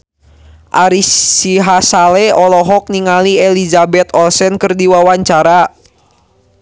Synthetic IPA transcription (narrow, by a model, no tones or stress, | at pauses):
ʔaɾisiɦasalɛɔlɔɦɔk̚niŋalielizabɛt̪ɔlsɛnkɨrdiwawaɲt͡ʃaɾa